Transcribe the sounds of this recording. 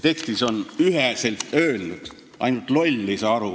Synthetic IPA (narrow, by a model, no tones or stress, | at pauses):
t̪e̞kst̪iso̞nyɦeselt̪ø̞ːlnud̪̥ | ʔɑ̰jnult̪ˑlo̞lʲːiseɑɾu